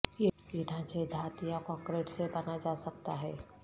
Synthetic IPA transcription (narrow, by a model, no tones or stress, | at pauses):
jejɪnãt͡ʃed̪ʱaːt̪ijãkɔ̃ːŋkɾeːʈsebɐnad͡ʒaːsɐk̚t̪aɦɛː